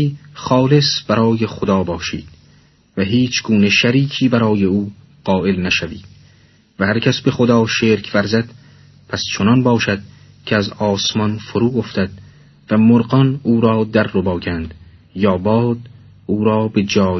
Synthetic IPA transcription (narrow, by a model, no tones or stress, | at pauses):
iːχɒːle̞sb̥æɾɒːjexod̪ɒːbɒːʃḭːd̪̥̚ | væɦiːt͡ʃʰɡuːneʃæɾiːkʰiːbæɾɒːje̞uː | ɢ̥ɒːʔe̞lnæʃæviːd̪̥̚ | væhæɾcʰæsbe̞xod̪ɒːʃeːɾkʰvæɾzæd̪̥ | pʰæst͡ʃʰonɒnbɒːʃæd̪̥̚ | cʰeæzɒːsmɒnfoɾuːoft̪æd̪̥̚ | væmoɾɢɒnuːɾɒːd̪æɾːobɒːɡænd̪̥ | jɒːbɒːd̪̥ | uːɾɒːbe̞d͡ʒɒː